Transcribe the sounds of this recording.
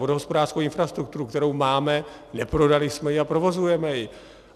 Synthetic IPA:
odoɦo̞spodaːr̥skowɪnfɾast̪ɾuk̚t̪uɾukt̪ɛɾo̞wmaːmɛ | nɛpɾo̞dalɪsmɛjɪapɾo̞vo̞zujɛmɛjɪ

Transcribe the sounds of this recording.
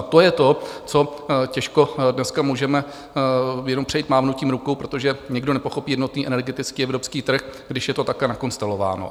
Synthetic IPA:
t̪o̞jɛt̪o̞t͡so̞cɛʃko̞dnɛskamuːʒɛmɛ | jɛno̞mpr̝ɛjit̪maːvnuciːmɾukowpɾo̞t̪o̞ʒɛɲɛɡdo̞nɛpo̞xo̞piːjɛdno̞t̪niːʔɛnɛɾɡɛt̪ɪt͡skiːɛvɾopskiːt̪r̩xɡdɪʃjɛt̪o̞t̪akɛnako̞nst̪ɛlo̞va̰ːno̞̰

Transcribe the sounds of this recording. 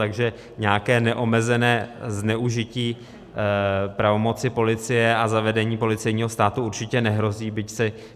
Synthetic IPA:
aɡʒɛ | ɲɛjakɛːnɛʔo̞mɛzɛnɛːznɛʔuʒɪciː | pɾavo̞mo̞t͡sɪpo̞lɪt͡sɪjɛʔazavɛdɛɲiːpo̞lɪt͡sɛjɲiːɦo̞st̪aːt̪uuɾt͡ʃɪcɛnɛɦɾo̞ziːbɪcsɛ

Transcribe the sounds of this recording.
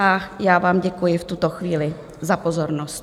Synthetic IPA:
ajaːvaːmɟɛkujɪft̪ut̪oxviːlɪ | zapozoɾnosc

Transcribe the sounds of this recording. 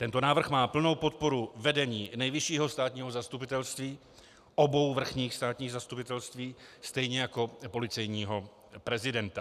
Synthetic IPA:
t̪ɛnt̪o̞naːvr̩xmaːpl̩no̞wpo̞t̪̚po̞ɾuvɛdɛɲiːnɛjvɪʃiːɦost̪aːt̪ɲiːɦozast̪upɪt̪ɛlst̪viː | ʔobo̞wvr̩xɲiːxst̪aːt̪ɲiːɣzast̪upɪt̪ɛlst̪viːst̪ɛjɲɛjako̞po̞lɪt͡sɛjɲiːɦo̞ | pɾɛzɪdɛnt̪a

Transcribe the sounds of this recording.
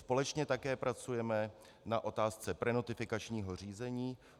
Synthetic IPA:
spo̞lɛt͡ʃɲɛt̪akɛːpɾʔat͡sujɛmɛ | naʔo̞t̪aːst͡sɛpɾɛno̞t̪ɪfɪkat͡ʃɲiːɦo̞r̝iːzɛɲiː

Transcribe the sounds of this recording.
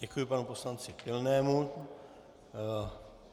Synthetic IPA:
ɛkujɪpanuposlant͡sɪkɪlnɛːmu

